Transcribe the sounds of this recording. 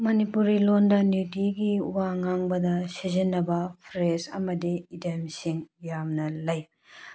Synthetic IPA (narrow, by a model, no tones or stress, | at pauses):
mɐnipuɾilondɐnjudiɡiuwaŋaŋbɐdɐsizinːɐbɐpʰɾesɐ̰mɐdiidemsiŋjamnɐlɐj